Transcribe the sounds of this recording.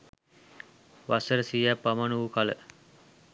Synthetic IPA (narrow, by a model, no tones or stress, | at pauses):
ʋasəɾəsijæpːamanuukalə̰